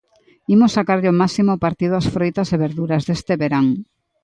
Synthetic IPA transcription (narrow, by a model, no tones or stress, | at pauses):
imosːakaɾʎomasimopaɾt̪ið̞ʊasfɾojt̪ɐseβeɾðuɾɐzðest̪eβeɾaŋ